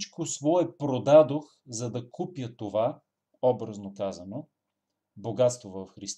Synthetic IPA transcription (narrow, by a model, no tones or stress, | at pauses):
t͡ʃkosvɔɛpɾod̪ad̪ox | zɐd̪ɐkʰupjət̪ova | ɔbɾəznokazɐno | boɡat̪st̪vovəfxɾist̪